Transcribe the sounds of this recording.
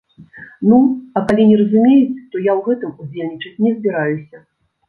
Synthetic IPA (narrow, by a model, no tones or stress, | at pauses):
nuɐkalʲinʲɛɾɐzumʲejut͡sʲt̪ɔjawɣɛt̪ɨmud͡zʲelʲnʲit͡ʂɐt͡sʲnʲɛzʲbʲiɾajusʲɐ